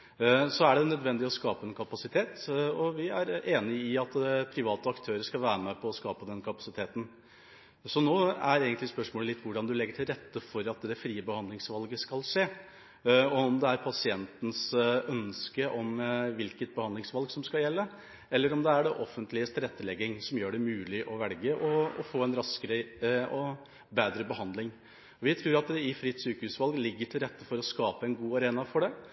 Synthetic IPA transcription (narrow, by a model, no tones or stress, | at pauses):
sɔæɖɛnœd̪ʋɛnd̪ɪɔskɑːpəɛnkʰɑpɑsɪt̪ʰeːt̪ɔʋɪæɾeːnɪɪɑt̪pʰɾɪʋɑːt̪əɑkt̪ʰøːɾəʂkɑlʋæːɾəmɛpʰɔːskɑːpəd̪ɛnkʰɑpɑ̥sɪt̪ʰeːt̪n̩ | sɔnoːæɾeːɡənt̪lɪspœʂmoːləlɪt̪ːʋʊɖɑnd̪ʉlɛɡːəʈʰɪlɾɛt̪ːəfɔɾɑt̪d̪ɛfɾiːəbəhɑnd̪lɪŋsʋɑlɡəskɑlʂeː | ɔɔmd̪ɛæɾpʰɑsɪɛnt̪n̩sœnskəʔɔmʋɪlkət̪̚bəhɑnd̪ɪŋsʋɑlɡsɔmskɑljɛlːə | ɛlːəɾɔmd̪ɛæɖɛʔɔfːənt̪lɪəst̪ɾɛt̪ːəlɛɡɪŋsɔmjøːɖɛmʉːlɪʔɔʋɛlɡəʔɔɔ̰foːɛnɾɑskəɾəɔ | beːd̪ɾəbəhɑnd̪lɪŋ | ɔʋɪt̪ʰɾʉːɾɑt̪̚d̪ɛɪfɾiːt̪syːkəhʉsʋɑlɡlɪɡːəʈʰɪlɾɛt̪ːəfɔɾɔskɑːpəɛnɡuːɑɾeːnɑfɔɖɛ